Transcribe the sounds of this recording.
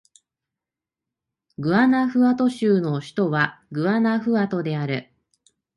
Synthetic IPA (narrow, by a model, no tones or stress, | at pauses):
ɡɯ̟anaɸɯ̟at̪o̞ɕɨːno̞ɕi̥t̪o̞βaɡɯ̟anaɸɯ̟at̪o̞d̪e̞aɾɯ̟